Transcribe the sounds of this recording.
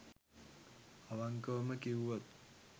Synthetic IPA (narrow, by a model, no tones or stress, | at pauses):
aʋaŋkəʋməkiʋuʋot̪̚